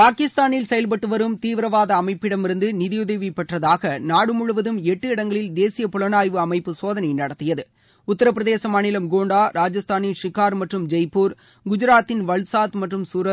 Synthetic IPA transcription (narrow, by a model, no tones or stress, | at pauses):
paːkɪst̪aːnɪlsɛjɐlp̬ɐʈːɯʋɐɾɯmt̪iːʋɪɾɐʋaːðɐːmɐɪpːɪɽɐmɪɾɯnd̪ɯnɪðɪjʊðɐʋipɛʈrɐðaːɣɐnaːɽɯmʊɻʊʋɐðɯmɛʈːɯɪɽɐŋɡɐɭɪld̪eːsɪjɐpʊlɐnaːjʋɯɐmɐɪpːɯsoːðɐnɐjnɐɽɐt̪ːɪjɐðɯ | ʊt̪ːɐɾɐpːɾɐðeːsɐmaːnɪlɐmɡoːɳɖaːɾaːd͡ʒɐst̪aːnɪnʂɪkaːɾmɐʈrɯmd͡ʒɐɪpːuːɾ | ɡʊd͡ʒɪɾaːt̪ːɪnʋɐɭsaːt̪mɐʈrɯmsuːɾɐ